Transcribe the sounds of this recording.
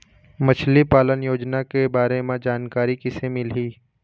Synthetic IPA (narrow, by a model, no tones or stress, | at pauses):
mɐt͡ʃʰlipaːlənjoːd͡ʒnakebaːɾemẽd͡ʒaːnkaːɾikɪsemɪlɦiː